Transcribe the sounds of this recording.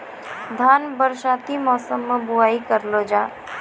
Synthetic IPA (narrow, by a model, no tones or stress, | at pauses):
d̪ʱaːnbəɾʃaːt̪imɔːsəmːẽbʊaːikəɾlod͡ʒaː